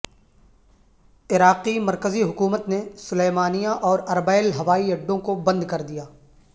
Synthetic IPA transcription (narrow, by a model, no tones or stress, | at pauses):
ɪɾaːqimɐɾkəziɦʊkuːmət̪nesʊleːmaːnijãʔɔːɾɐɾbaːɪlɦɐʋaːiɐɖːõkobɐ̃nd̪kɐɾd̪ijaː